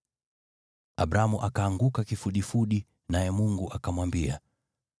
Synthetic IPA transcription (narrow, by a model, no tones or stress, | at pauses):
aɓɾamuʔakaːŋɡukakifuɗifuɗi | najɛmuŋɡuʔakamwambia̰